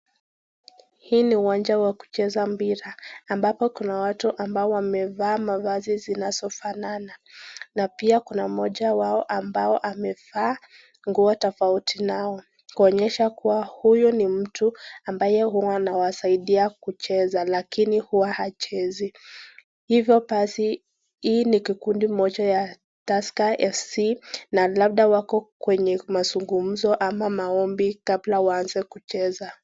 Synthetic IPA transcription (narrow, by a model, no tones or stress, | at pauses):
hiːniuwand͡ʒawaku̥t͡ʃɛzambiɾaːmbapɔkunawatuʔambaɔwamɛvaːmavazizinazɔfanananapiakunamɔʄawaɔʔambaɔʔamɛvaː | ŋɡuɔtɔfautʰinaɔ | kuɔɲɛʃakuwahujɔnim̩tuambajɛhuanawasaiɗiakut͡ʃɛzalakinihuwahat͡ʃɛzi | hivjɔɓasi | hiːnikikundimɔt͡ʃaja | taskaʔɛfsinalab̚ɗawakɔkwɛɲɛmazuŋɡum̩zɔʔamamaɔmbikablawaanzɛkut͡ʃɛza